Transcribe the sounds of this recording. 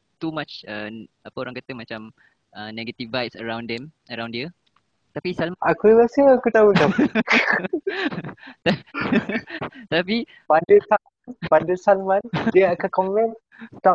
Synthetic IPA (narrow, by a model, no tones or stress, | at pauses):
t̪umat͡ʃəapəoɾãŋkat̪əmat͡ʃam | ʔənɛɡət̪ivbajtsəɹãw̃ndɛm | əɾãw̃ndiə | t̪apisalmʔakuɾasəakut̪auta | t̪a | t̪api | pandəsa | npandəsalmand͡ʒəakakɔmɛ̃n | t̪a